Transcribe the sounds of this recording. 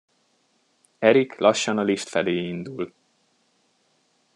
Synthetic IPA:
ɛɾiklʔɒʃːɒnɒliʃt̪fɛleːind̪ul

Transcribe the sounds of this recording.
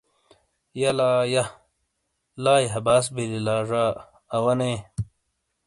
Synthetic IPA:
jɐlaːjɐ | laːjɦɐbaːs̬bililaːʐaː | wɐne

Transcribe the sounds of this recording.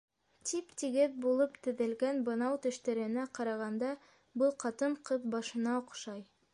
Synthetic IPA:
t̪ʰipt̪iɡɘðbulˠɤpt̪ɘ̆ðɘ̆lɡænbɤ̆nɑwt̪ɵ̆ʃt̪æɾɘ̆næqɑɾɑʁɑnd̪ɑ | bɤlˠqɑt̪ɤɴqɤðbɑʃɤ̆nɑoqʃɑj

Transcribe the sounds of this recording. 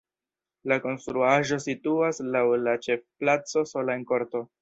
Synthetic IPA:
lako̞nst̪ɾuaʒo̞situaslawlat͡ʃe̞fplat͡so̞so̞laenko̞ɾto̞

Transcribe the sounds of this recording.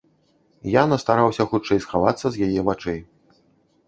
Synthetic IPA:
janɐst̪aɾawsʲɐxut̪t͡ʂɛjsxavat̪sːɐzʲjajɛvat͡ʂɛj

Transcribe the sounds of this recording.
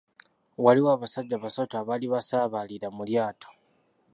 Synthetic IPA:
waliwaːβasaɟːaβasataβaliβasaːβaliɾamuljaːtʰo̥

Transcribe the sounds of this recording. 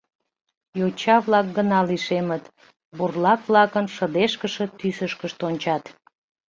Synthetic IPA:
jot͡ɕɑβlɑk̚ɡənɑliʃemət̪ | burlɑkβlɑkənʃəd̪eʃkəʃət̪ysəʃkəʃt̪onʲt͡ɕɑt̪

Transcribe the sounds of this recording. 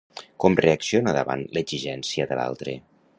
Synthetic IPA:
kɔmreəksionəðəβa̰nləz̥iʒɛnsiəðəla̰lˠt̪ɾḛ

